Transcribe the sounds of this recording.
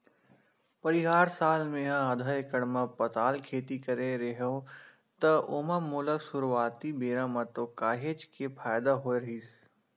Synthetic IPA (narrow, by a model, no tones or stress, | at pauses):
pɐɾiɦaːɾsaːlmẽɦãɦɐd̪ʱaekəɽmãpɐt̪aːlkʰeːt̪ikɐɾeɾɐɦõ | t̪ɐoːmamuːləksʊɾʋaːt̪ibeːɾãmɐ̃t̪okaːɦeːt͡ʃkepʰaːjd̪aɦoːeɾɐɦiːs